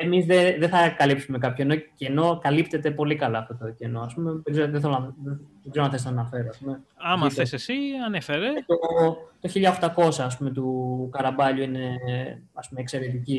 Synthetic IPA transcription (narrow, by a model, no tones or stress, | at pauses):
emizðeðeθɐkɐlipsume̞kɐpçoeno̞ceno̞kɐlipt̪e̞t̪e̞po̞likɐlɐːft̪o̞t̪oce̞no̞ɐspume̞peɾizoðeθelonðepeɾznɐθest̪ɐnɐfe̞ɾoɐspume̞ɐmɐθesesiɐnefeɾet̪ot̪o̞çiʎɐoxt̪ɐko̞sɐːspume̞t̪ukɐɾɐbɐʎuine̞ɐspumekse̞ɾe̞t̪ici